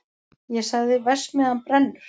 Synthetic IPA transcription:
jɛsaɣðɪvɛsmɛðanpɾɛnːʏɾ̥

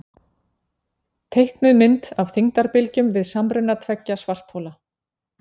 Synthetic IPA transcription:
t̪ʰejhknʏðmɪnt̪awθiŋt̪aɾpɪlcʏmvɪðsamɾʏnːat̪ʰvɛcːasvar̥t̪howla

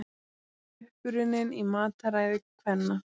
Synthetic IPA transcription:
ʏhpʏɾɪnːɪnimaːt̪aɾaːjðɪkʰvɛnːa

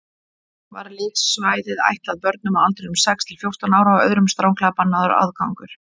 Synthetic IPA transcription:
va̰ɾlɪːksːvaːjðɪða̰jht̪laðpœɾt̪̚nʏmawalt̪ɾenʏmsɛkst̪ʰɪlfjowr̥t̪anaːwɾavœ̰ðɾʏmst̪ɾaːwŋkʰlaɣapanːaðʏɾa̰ðkawŋkʏɾ̥

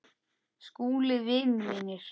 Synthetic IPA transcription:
skuːlɪvɪnmɪnːɪɾ̥

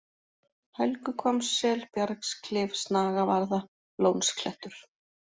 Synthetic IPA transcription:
hœlkʏkʰɔmsːɛːlpjaɾkskʰlɪːvsnaːɣavaɾða | loːwnskʰlɛht̪ʏɾ̥

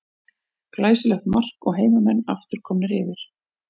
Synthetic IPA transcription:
klaːjsɪlɛxt̪mar̥kɔɣɦeːjmamɛnːa̰ft̪ʏɾ̥kʰɔːmnʏɾɪːvɪɾ̥

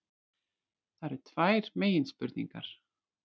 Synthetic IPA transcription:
θaɛɾɛɾ̥t̪ʰvaːjɾ̥meːjɪnspʏɾt̪nḭŋka̰ɾ̥

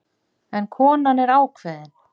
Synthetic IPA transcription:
ɛnkʰɔːnanɛɾaːwkʰvɛːðɪn

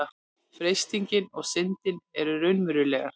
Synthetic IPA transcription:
a | fɾejst̪iɲcɪnɔɣsɪnt̪ɪnɛɾʏɾœɥnmʏɾʏlɛːɣa̰

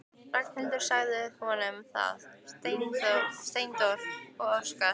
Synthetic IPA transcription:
ɾaknhɪlt̪ɪɾ̥saːɣðɪhɔnʏmθa̰ðst̪ejnt̪ɔst̪ejnt̪ɔɾ̥ɔɣœska

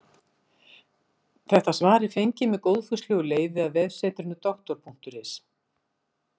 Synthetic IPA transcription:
θɛht̪asvaːɾɪfejɲcɪmɛðkowðfʏslɛɣʏleːjvɪaðvɛð̥sɛːt̪ɾʏnʏt̪ɔxt̪ɔɾ̥pʰuŋ̥t̪ʏɾɪs

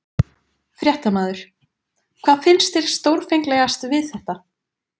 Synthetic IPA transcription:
fɾjɛht̪amaːðʏɾ̥ | kʰv̥aːðfɪnst̪ɪɾ̥st̪owɾ̥fejŋklɛɣast̪vɪðθɛht̪a

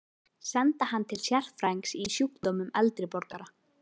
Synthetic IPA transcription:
sɛnt̪ahant̪ʰɪlsjɛr̥fɾajŋksisjukt̪oːwmʏmɛ̰lt̪ɾɪpɔɾkaɾa

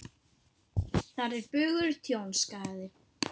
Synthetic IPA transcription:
θaɾɛɾpʏɣʏɾt̪ʰjownskaːjðɪ

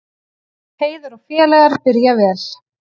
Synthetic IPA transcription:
heːjðʏɾɔɣfjɛːlɛɣaɾpɪɾjavɛːl̥

